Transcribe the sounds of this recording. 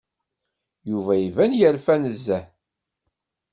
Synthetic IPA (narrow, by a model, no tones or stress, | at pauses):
juvæjivænjəɾfænəzːæ